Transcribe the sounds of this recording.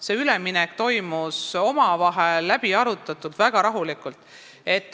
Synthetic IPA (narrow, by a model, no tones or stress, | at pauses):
se̞ːyleminɛkt̪o̞jmuso̞mɑvɑɦe̞lːæbiɑɾut̪ːˑɑt̪ːˑult̪væɡ̥ɑɾɑɦulikˑult̪ˑ | e̞t̪ːˑ